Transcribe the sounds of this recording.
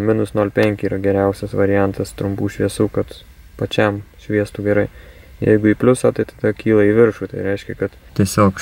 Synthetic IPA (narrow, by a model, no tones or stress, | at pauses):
mʲɪnʊsnoːlʲpʲɛŋʲkʲɪiːɾɐɡʲɛɾʲɛʊsʲɛsʋɐɾʲɪjænt̪ɐst̪ɾʊmpuːʃʲʋʲiɛsuːkɐt̪ | pɐt͡ʃʲɛmʃʲʋʲiɛst̪uːɡʲɛɾɐɪ | jɛ̰ɪɡʊiːpʲlʲʊsɑːt̪ɐɪt̪ɐd̪ɐkʲʰiːlˠɐiːʋʲɪɾʃuːt̪ɐɪɾʲɛɪʃʲkʲɛkɐt̪t̪ʲiɛsʲoːk